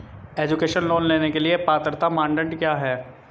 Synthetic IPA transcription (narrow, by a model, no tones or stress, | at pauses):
eːd͡ʒʊkeːʃənloːnleːnekeliepaːt̪əɾt̪amãːɳɖə̃ɳʈkjaːɦɛː